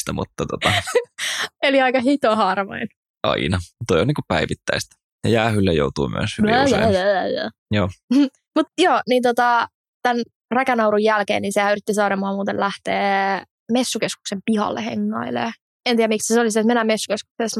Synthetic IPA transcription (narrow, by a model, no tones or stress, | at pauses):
t̪æmṵt̪ːɑt̪ot̪ɑ | eliɑikɑɦit̪ohɑrmɑ̰in | ʔɑ̰inɑt̪oioniːŋkupæiʋit̪ːæist̪ | jɑjæːhylːæjo̰ut̪ṵːmy̰æ̰shyjjæjjæ̰ː | joː | mut̪joːniːnt̪ot̪ɑ | t̪æn | rækænɑuwɾujælkḛːniːnsehæyrit̪ːisɑːɾɑmuɑmuːt̪elæht̪eː | mesːukesku̥ksempihɑ̰lːḛhḛŋːɑilḛː | ent̪iːjæmiksæseoliset̪menæmmesːu̥kesku̥kses